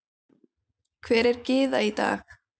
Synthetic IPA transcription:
kʰvɛːɾɛɾcɪːðait̪a̰ːx

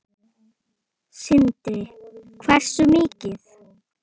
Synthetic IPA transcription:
sɪnt̪ɾɪkʰvɛr̥sʏmiːcɪθ

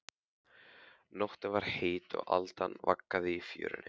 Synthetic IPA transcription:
nɔht̪ɪvaɾ̥heːjt̪ɔ̰ɣalt̪anvakːaðɪifjœ̰ːɾɪnɪ

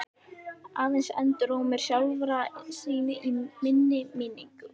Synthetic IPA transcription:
aːðɛnsɛ̰nt̪ʏɾoɣmɛɾ̥sjawlvɾasiːnɪʔimɪnːɪmiːniŋkʏ

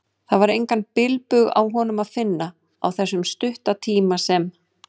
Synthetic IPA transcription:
θaðvaɾejŋkanpɪlpʏɣa̰wɦɔnʏmaðfɪnːa | awθɛsːʏmst̪ʏht̪at̪ʰiːmasɛm

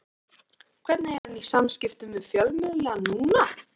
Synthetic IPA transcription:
kʰvɛɾt̪naɛɾanisamscɪft̪ʏmvɪðfjœlmɪðlanuːna

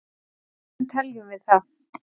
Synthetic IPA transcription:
nt̪ʰɛljʏmvɪðθa

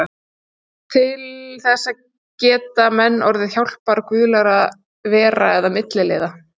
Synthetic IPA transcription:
t̪ʰɪlθɛsːa | cɛːt̪amɛnːɔɾðɪðçawl̥paɾakvʏːlaɾað | vɛːɾaɛðamɪt̪lɪlḛːjða

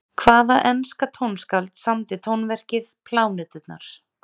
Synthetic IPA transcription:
kʰvaːðaʔɛnskat̪ʰownskalt̪samt̪ɪt̪ʰownvɛr̥cɪðpʰlaːwnɛːt̪ʏt̪na̰ɾ̥

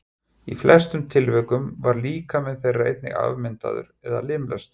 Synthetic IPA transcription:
iflɛst̪ʏmt̪ʰɪlvœkʏmvaɾliːkamɛðθejraḛjt̪nɪ̰ɣa̰vmɪnt̪a̰ðʏ̰ɾɛða̰lɪːmlɛst̪

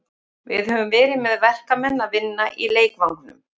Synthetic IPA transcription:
vɪðhɦœːvʏmvɛːɾɪmɛðvɛr̥kamɛnːavɪnːaʔileːjk̚maw̪nʏ̰m

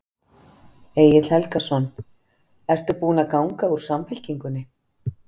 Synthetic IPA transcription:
eːjɪt̪l̥hɛlkasɔn | ɛr̥t̪ʏpuːnakaːwŋkauɾ̥samfɛl̥ciŋkʏnːɪ

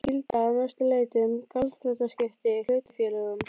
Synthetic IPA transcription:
cilt̪aːðnœst̪ʏleːjt̪ʏmkʰalt̪fɾœt̪ascɪft̪ɪl̥øːɥt̪ʏ̥fjɛlɛɣʏm

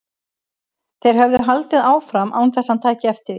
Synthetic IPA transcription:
θejɾ̥ɦœvðʏɦalt̪ɪðaːwfɾamʔa̰ːwnθɛsːant̪ʰaːjcɪɛft̪ɪði

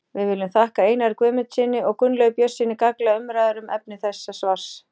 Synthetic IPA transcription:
vɪðvɪlːʏmθahkaeːjnaɾkvœːmʏt̪sɪnːɪɔɣkʏnlœɣpjœ̥sːɪnːɪkaklaʏmɾaːjðʏɾʏmʔɛ̰p̚nɪθɛsːasvar̥s

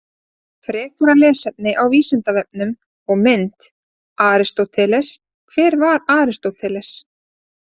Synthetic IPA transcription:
fɾɛːk̪ʏɾalɛːsɛp̚nɪʔawviːsɪnt̪avɛp̚nʏm | ɔɣmɪnt̪ | aːɾɪst̪owt̪ʰɛlɛs | kʰvɛːɾvaɾaːɾɪst̪owt̪ʰɛːlɛs

